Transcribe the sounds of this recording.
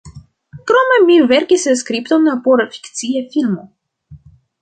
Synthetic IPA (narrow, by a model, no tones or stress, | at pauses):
kɾo̞me̞mive̞ɾkisskɾipt̪onapoɾafi̥kt͡siafilmo